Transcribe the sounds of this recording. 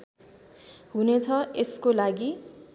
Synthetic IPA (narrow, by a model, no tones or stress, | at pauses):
ɦunet͡sʰʌeskolaɡi